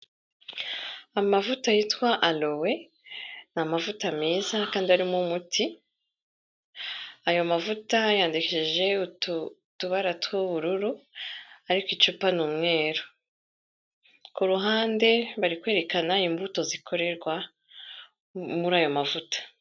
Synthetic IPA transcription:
amavutajitwaʔalo̞we̞ | namavutamiːzakaːndiaɾimumutʰi | ajo̞mavutajaːndikeʃeʒe̞u | tuβaɾatwuβuɾuɾu | aɾikwit͡ʃupanuːmŋe̞ːɾo | kuɾuɦaːnde̞βaɾikwe̞ːɾe̞kanaimbuto̞zikʰo̞ɾe̞ɾɡwa | muɾaːjo̞mavutḁ

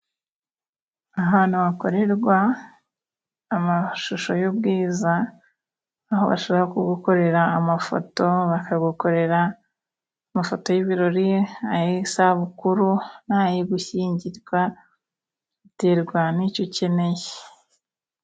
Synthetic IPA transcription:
aɦaːn̥huβako̞ɾe̞ɾɡwa | maʃuʃo̞jubɡiːza | ɦo̞̰βa̰ʃoβɾaokuɡuko̞ɾe̞ɾaːmafo̰to̞βakaɡuko̞ɾe̞ɾaː | mafo̞to̞jiβiɾo̞ɾieajesaβukuɾunajiɡuçiːɲɟiɾɡwa | ite̞ɾɡwanico̞ce̞ne̞çe̥

